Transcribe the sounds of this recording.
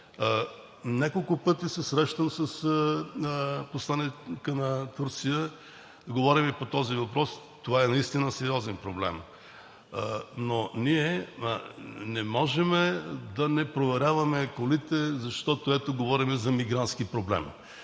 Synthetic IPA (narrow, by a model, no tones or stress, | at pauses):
nʲakolˠkʊpɤt̪isɛsɾɛʃt̪əmsəs | posˠanikənɐt̪uɾt̪sijə | ɡovɔɾimipot̪ɔzivɐpɾɔs | t̪ovaɛnɐist̪inəsɛɾiɔzɛnpɾoblɛ̰m | noniɛ | nɛmɔʒɛmɛd̪ɐnɛpɾovɛɾʲavɐmɛkolit̪ɛzɐʃt̪ɔt̪oɛt̪oɡovɔɾimɛzɐmiɡɾant̪skipɾoblɛ̰m